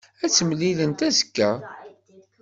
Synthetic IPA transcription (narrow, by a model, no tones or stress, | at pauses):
æt͡sːəmlilənt̪æzə̥kːæ